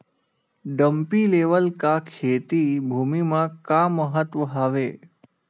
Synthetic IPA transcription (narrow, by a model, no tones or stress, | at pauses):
ɖəmpileːʋəlkakʰeːt̪ibʱuːmimãkaməɦət̪ʋəɦaːʋeː